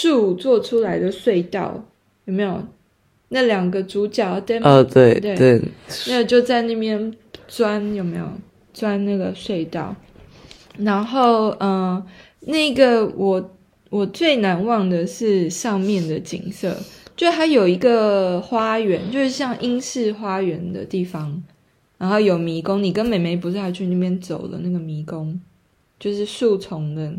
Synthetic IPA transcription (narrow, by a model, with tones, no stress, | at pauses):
ʈ͡ʂu˥˧t͡swɔ˥˩ʈ͡ʂʰu˥la˧˥ɪd̪ə˨swe˥˧ɪt̪ɑ̰˥˨˩ʊ | jo˨˩ʊme˧˥ɪjo˨˩ʊ | na˥˩ljɑ˨˩ŋɡə˦t͡su˧˥t͡ɕjɑ˨˩˦ʊt̪ə˥n˧t̪we˥˩ɪt̪we˥˩ɪwe˥˧na˥˩ɡə˨˩t͡ɕjo˥˧ʊt͡sa˥˧ɪna˥˩mjɛ˥n | t͡swa˥njo˨˩me˧˥ɪjo̰˨˩ʊ | t͡swa˥nna˥˩ɡə˩swe˥˧ɪt̪ɑ˥˩ʊ | ɻa˧˥nxo˥˩ʊə˩ | na˥˩i˧ɡə˨wʔɔ˨˩ | wɔ˨˩t͡swe˥˩ɪna˧˥nwɑ˥˩ŋd̪ə˨ʂɻ̩˥˧ʂɑ˥˧ŋmjɛ˥˨˩nd̪ə˩t͡ɕḭ˨˩ŋsɤ̰˥˧t͡ɕo˥˧ʂ̩˥˩t̪ʰa˥jo˨˩ʊi˧˥ɡə˨xwa˥ɥɛ˧˥˦nt͡ɕjo˥˧ʊʂɻ̩˥˩ɕjɑ˥˩ŋʔi˥ŋʂɻ̩˥˨xwa˥ɥɛ˧˦nd̪ə̰˧t̪i˥˩fɑ˦ŋ | ɻa˧˥nxo˥˩ʊjo˨˩ʊmi˧˥kʊ˥˦ŋni˨˩kə˦nme˨˩ɪme˨˧˥ɪp̬u˨˧s̩˥˩ha˥˩t͡ɕʰy˥˧n˥˩mjɛ˥˧nt͡so˨˩ʊlə̰˦na˥˩ɡə˩mi˧˥˦kʊ˦ŋ | t͡ɕjo˥˧ʊʂɻ̩˥˧su˥˧t͡sʰʊ˧˦ŋd̪ə˧